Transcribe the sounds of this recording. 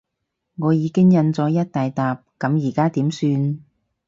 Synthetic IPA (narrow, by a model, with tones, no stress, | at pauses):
ŋɔː˨˧jiː˨˧kɪ˥ŋjɐ˧nt͡sɔː˨˧˥jɐ˥t̚t̪aː˨jt̪aː˨p̚kɐ˨˧˥mjiː˨˩kaː˥t̪iː˨˥msyː˧n